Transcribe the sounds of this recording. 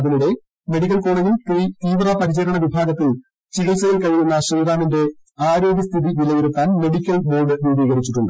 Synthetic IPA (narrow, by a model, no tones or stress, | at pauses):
ɐðinuɽe̞ | meɽikʲːɐlko̞ːɭɐɲilt̪it̪iːʋrɐpɐɾit͡ɕɐɾɐɳɐʋibʱaːɡɐt̪ːil | t͡ɕiɣilt͡ɕɐɣɐlkɐɻijunːɐɕeːðaːninde̞ | aːɾo̞ːɡʲjɐst̪ʰiðiʋilɐjeɾut̪ːaːnme̞ɽikʲːɐlbo̞ːlɖɨʋuːbiːɡɐrit͡ɕːiʈːuɳɖɨ